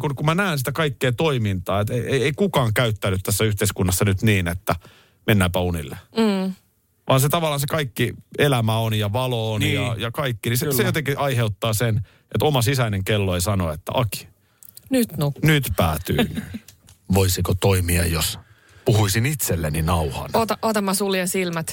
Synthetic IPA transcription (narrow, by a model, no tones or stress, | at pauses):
kunkumænæːnsit̪ækɑikːeːt̪oimint̪ɑːet̪eiejeikukɑːŋkæyt̪ːænːyt̪t̪æsːæyht̪eiskunːɑsːɑnyt̪niːnet̪ːæ | menːæːpæunḭlːe | ʋʔɑːnset̪ɑʋɑlːˑɑːnsekɑikːielæmæonjɑʋɑloːnjɑjɑkɑikːinisesejot̪eŋkiʔɑiheut̪ːɑːsen | ʔet̪omɑsisæineŋkelːoeisɑnoet̪ːæ̰ʔɑki̥ | nyt̪nunyt̪pæːt̪y̰n | ʋoisikot̪oimiɑ̰jos | puhuisinit̪selːeninɑuhɑ̰notɑot̪ɑmːɑsuliɑsilmæt̪